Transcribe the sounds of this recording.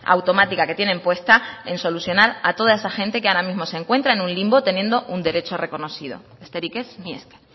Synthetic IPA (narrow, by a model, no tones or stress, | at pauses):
a̰wt̪o̞mat̪ikake̞t̪je̞nempwe̞st̪ae̞nso̞luθjo̞naɾa̰t̪o̞ðae̞saxe̞nt̪e̞keaɾamĩzmo̞seŋkwe̞nt̪ɾaenũnlimbot̪e̞nje̞nd̪o̞ʔund̪e̞ɾe̞t͡ʃo̞re̞ko̞no̞θiðo̞̰ | est̪e̞ɾike̞smḛske